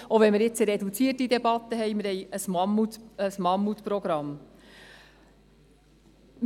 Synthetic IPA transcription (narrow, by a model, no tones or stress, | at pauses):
ovɛnmɪɾjɪt͡səɾɛd̪ut͡siːətːid̪ɛbɑt̪ːəɦɛɪmɪɾhɛjəsmɑmːut̪əsmɑmːut̪pɾɔɡɾɑm